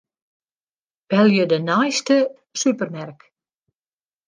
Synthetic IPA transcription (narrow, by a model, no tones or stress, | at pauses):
pɛlˠjədənajstə | sypərmɛrk